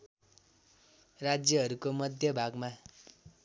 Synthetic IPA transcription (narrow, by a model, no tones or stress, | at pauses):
rad͡zjʌɦʌɾukomʌd̪ʱjʌbʱaɡma